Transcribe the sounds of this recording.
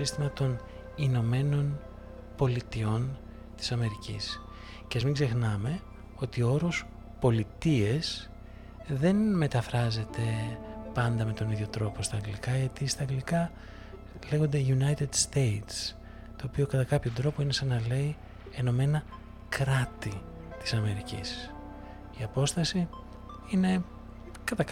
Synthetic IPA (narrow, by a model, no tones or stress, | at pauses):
ist̪imɐt̪o̞n | ino̞me̞no̞n | po̞lit̪io̞n | t̪i̥sɐme̞ɾicḭs | ceɐzmiŋɡze̞xnɐme̞ | o̞t̪iooɾo̞s | po̞lit̪ie̞s | ðe̞nme̞t̪ɐfɾɐze̞t̪e̞pɐnd̪ɐme̞t̪o̞niðʝjo̞t̪ɾo̞po̞st̪ɐːŋɡlikɐʝɐt̪ist̪ɐːŋɡlikɐ | le̞ɣo̞nd̪eʝunɐjt̪ed̪st̪ejt̪s | t̪o̞ːpio̞kɐt̪ɐkɐpço̞d̪ɾo̞po̞inesɐnɐle̞i | eno̞me̞nɐ | kɾɐt̪i | t̪i̥sɐme̞ɾicḭs | iɐpo̞st̪ɐsi | ine̞ | kɐt̪ɐ